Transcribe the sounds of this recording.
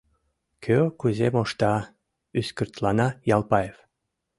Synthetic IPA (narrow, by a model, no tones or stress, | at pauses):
kʰøkuzemoʃt̪ɑ | yskyrt̪lɑnɑjɑlˠpɑjef